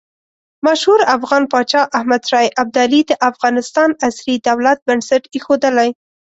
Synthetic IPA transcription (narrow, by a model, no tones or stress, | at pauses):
maʃhuɾafɣɑnpɑt͡ʃɑʔahmad̪ʃɑjʔab̚d̪ɑlid̪əʔafɣɑnɪst̪ɑnasɾid̪awlat̪̚bansaʈexod̪əlaj